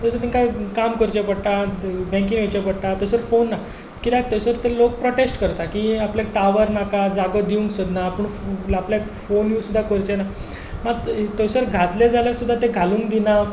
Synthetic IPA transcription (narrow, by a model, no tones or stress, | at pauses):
t̪əsəɾt̪ĩŋkakamkəɾt͡ɕepəɽt̪abʱɛ̃ŋkinʋet͡ɕapəɽt̪at̪əsəɾfonːa | kit̪ak̚t̪əjsəɾt̪elok̚pɾoʈesʈkəɾt̪akiapljakʈaʋəɾnakad͡zaɡəd̪iũŋksəd̪napəɳapljak | fonjuːsud̪ʱːakəɾt͡ɕena | mat̪ojsəɾɡʱat̪ljad͡zaljaɾsud̪ʱːat̪eɡʱalũːŋkd̪ina